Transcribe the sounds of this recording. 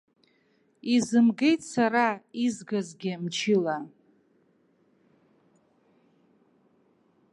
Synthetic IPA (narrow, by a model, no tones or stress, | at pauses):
izɨmɡe̞jtʼsaɾaizɡazɡʲɪmt͡ʃʰɪla